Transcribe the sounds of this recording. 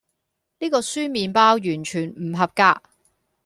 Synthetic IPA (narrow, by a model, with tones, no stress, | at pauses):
niː˥kɔː˧syː˥miː˨˧npaː˥wjyː˨˩nt͡ʃʰyː˨˩nm̩˨˩ɦɐ˨p̚kaː˧k̚